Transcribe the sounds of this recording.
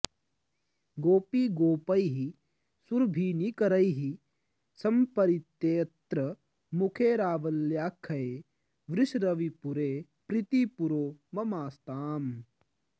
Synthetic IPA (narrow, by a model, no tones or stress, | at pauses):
ɡoːpiɡoːpɐjɦi | suɾbʱiːnikɐɾɐjɦi | sɐmpɐɾit̪jeːt̪ɾɐ | mukʰeːɾaːʋɐljaːkʰːɐeː | ʋɾɪʃɾɐʋipuɾeː | pɾit̪ipuɾoːmɐmaːst̪aːm